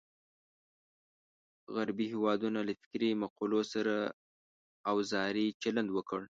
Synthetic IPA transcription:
ɣaɾbihewɑd̪unalafɪ̥kɾimaqulosaɾaː | wzɑɾit͡ʃaland̪wəkəɽ

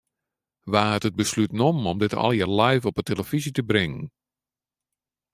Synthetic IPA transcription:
ʋaːətət̚bəslytnɔmɔmdɪtʰɔ̰lˠjarlɛjfɔpəteləv̥izitəbrɪŋən

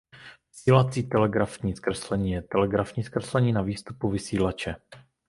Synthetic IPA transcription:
vɪsiːlat͡siːt̪ɛlɛɡɾafɲiːskɾɛslɛɲiːjɛt̪ɛlɛɡɾafɲiːskrɛslɛɲiːnaviːst̪upuvɪsiːlat͡ʃɛ

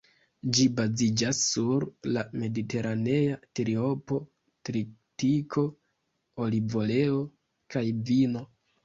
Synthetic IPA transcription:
d͡ʒibazid͡ʒasːuɾlame̞dite̞ɾaneatɾio̞po̞ | tɾitikʰo̞ | olivo̞le̞o̞ | kajvino̞

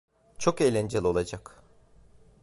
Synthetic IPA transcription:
t͡ʃʰo̞kejlʲɛnd͡ʒelʲo̞lˠad͡ʒak

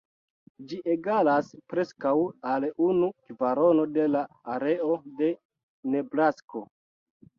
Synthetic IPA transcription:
d͡ʒiʔeɡalaspɾe̞skawalunukvaɾo̞no̞de̞laː | ɾe̞ode̞ | ne̞bɾasko

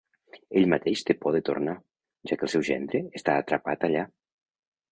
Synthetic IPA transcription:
eʎmat̪eʃt̪epɔðet̪o̰rna | ʒakəlˠsɛwʒɛ̰nd̪ɾeːst̪aːt̪ɾapat̪aʎa

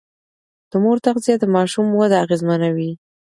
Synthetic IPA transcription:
d̪̥əmoɾt̪aqzijad̪əmɑʃumwad̪aaɣezmanawi

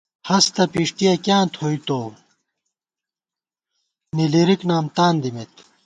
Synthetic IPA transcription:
hɐst̪ɐpiʂʈijɐkjãːnt̪ʰhojt̪oː | niliɾiknaːmt̪aːnd̪imet̪̚

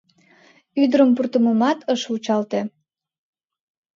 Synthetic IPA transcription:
yd̪əɾəmpurt̪əməmɑt̪ʰəʃut͡ɕɑlt̪e

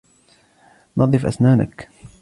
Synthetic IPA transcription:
nɑðˤɨfʔa̰snaːna̰k

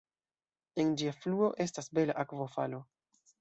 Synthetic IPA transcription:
e̞nd͡ʒiafluo̞ʔe̞stasbe̞laʔakvo̞falo̞

